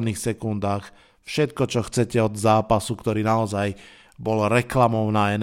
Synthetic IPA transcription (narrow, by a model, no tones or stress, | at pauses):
d̪niːxsɛkund̪aːx | fʃɛt̪kɔt͡ʃɔxt͡sɛcɛɔd̪zaːpasukt̪ɔɾiːnaɔzaj | bɔlɾɛklamɔʊnaːɛn